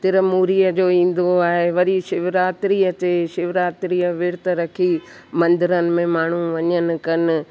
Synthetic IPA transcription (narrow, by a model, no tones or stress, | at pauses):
t̪ɪɾəmuːɾiːəd͡ʑoːĩːn̆d̪oaːɦeʋɐɾiʃɪʋɾaːt̪ɾiːət̪eːʃɪʋɾaːt̪ɾiːəʋɪɾt̪ɾɐkʰi | mɐ̃nd̪ɪɾənɪ̆mẽmaːɳ̤uʋɐɲənɪ̆kɐnɪ̆